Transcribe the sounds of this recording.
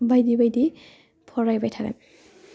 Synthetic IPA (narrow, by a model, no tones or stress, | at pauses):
bajdibajdi | pʰɔɹajbajtʰakɛ̰n